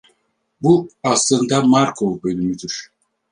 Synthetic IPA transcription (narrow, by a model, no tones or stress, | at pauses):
buaslˠɯnd̪amaɾkʰovbø̞nymyd̪yɾ̥